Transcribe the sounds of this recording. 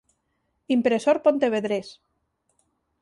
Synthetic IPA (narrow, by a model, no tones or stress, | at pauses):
impɾesoɾpont̪eβeðɾes